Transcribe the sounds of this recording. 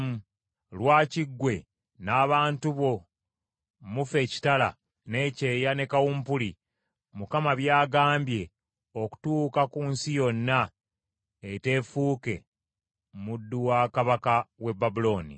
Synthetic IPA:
mu | lwaːciɡːwe̞ | naːβaːntuβo̞ | mufe̞ci̥tala̰ | ne̞ːce̞ːjane̞kawuːmpuli | mukamaβjaːɡaːmbje̞ | o̞ku̥tuːkakuːnsijo̞nːa | ete̞ːfuːke̞ | mudːuwakaβakawe̞bːabulo̞ːnḭ

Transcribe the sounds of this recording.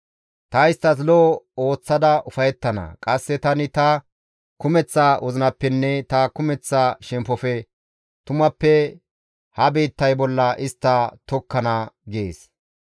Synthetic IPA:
t̪ɐɪst̪ːɐs̬lɔːo̞ːt͡sːɐd̪ɐʔʊfɐjɛt̪ːɐnɐ̰kʼɐsːɛt̪ɐnɪt̪ɐ | kʊmɛt͡sːaːwɔzɪnɐpːɛnːɛt̪ɐkʊmɛt͡sːaːʃɛmpːɔfɛ | t̪ʊmɐpːɛ | hɐbeːt̪ːɐjbɔlːɐʔɪst̪ːɐt̪ɔkːɐnɐɡḛːs

